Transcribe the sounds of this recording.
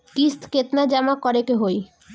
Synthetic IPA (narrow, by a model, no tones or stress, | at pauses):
kist̪ket̪nad͡ʑamakɔɾekeɦoj